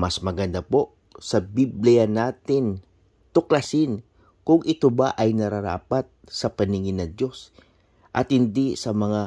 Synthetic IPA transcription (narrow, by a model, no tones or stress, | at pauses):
mɐsmɐɡɐnd̪apo̞ | sɐbiblɪjanaːt̪ɪn | t̪ʊklasɪn | kʊŋʔɪt̪obaʔɐjnɐɾaɾa̰ːpat̪̚sɐpɐnɪŋɪnɐŋd̪jo̞s | ʔɐt̪hɪnd̪isɐmɐŋa